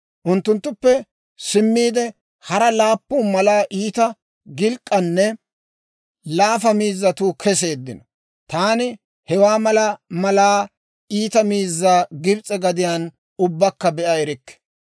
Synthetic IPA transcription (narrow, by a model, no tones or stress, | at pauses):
ʔʊnt̪ːʊnt̪ːʊpːɛ | sɪmːiːd̪ɛ | hɐɾɐlaːpːʊːmɐlaːʔiːt̪ɐ | ɡɪlkʼːɐnːɛ | laːfɐmiːzːɐt̪uːkʰɛs̬e̞ːd̪ːɪnɔ | t̪aːnɪ | hɛwaːmɐlɐmɐlaː | iːt̪ɐmiːzːaːɡɪbt͡sʼɛɡɐd̪ɪjaːn | ʊbːɐkːɐbɛʔɐɛɾɪkːɛ̥